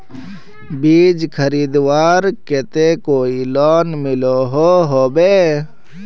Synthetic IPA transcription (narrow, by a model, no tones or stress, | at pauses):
biːd͡ʒkʰəɾiːd̪waːɾket̪ekoːilɔːnmɪloɦoɦoːbeː